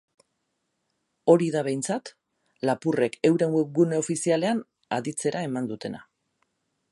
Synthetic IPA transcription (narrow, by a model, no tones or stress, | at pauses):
o̞ɾiðaβ̞e̞jnt͡sat̪ | lapure̞ke̞wɾe̞ŋɡweɡune̞o̞fisiale̞an | a̰ðit͡se̞ɾae̞mand̪ut̪e̞na̰